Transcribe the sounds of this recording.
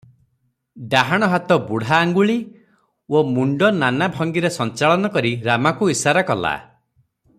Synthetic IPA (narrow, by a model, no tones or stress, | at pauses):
ɖaɦaɽ̃ɔɦat̪ɔbuɽ̤aːŋɡuɭi | omuɳɖɔnanabʱɔŋɡiɾesɔnt͡ʃaɭɔnɔkɔɾiɾamakuisaɾakɔla̰